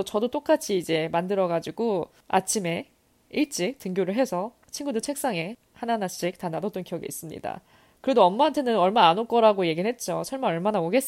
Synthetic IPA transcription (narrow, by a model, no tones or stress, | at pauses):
t͡ɕʌdot͈ok͈at͡ɕʰiːd͡ʑe̞mandɯɾʌɡad͡ʑiɡo | a̰t͡ɕʰime̞ | it͡ɕ͈ik̚tɯŋɡjoɾɯɭɦe̞sʰʌ | t͡ɕʰinɡudɯt͡ɕʰe̞k̚s͈aŋe̞ | hananaɕ͈ik̚tanadʌt͈ʌnkijʌɡeis͈ɯmɲḭda̰ | kɯɾe̞doʌmmaɦantʰe̞nɯnʌɭmanaːnok͈ʌɾaɡoje̞ɡiɦet̚t͡ɕ͈ot͡ɕʰʌɭmanʌɭmanaoɡe̞s͈